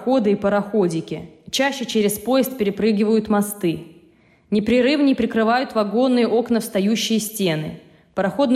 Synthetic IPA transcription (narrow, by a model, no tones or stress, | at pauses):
xo̞d̪ɨipəɾɐxo̞dʲɪkʲɪt͡ɕæɕːɪt͡ɕeɾʲɪspo̞jɪst̪̚pʲɪɾʲɪpɾɨɡʲɪvəjʊt̪mɐst̪ɨ | nʲɪpɾʲɪɾɨvnʲɪjpɾʲɪkɾɨvajʊt̪vɐɡo̞nːɨjəʔo̞knəfst̪ɐjuɕːɪjəsʲtʲenɨ̰ | pəɾɐxo̞d̪n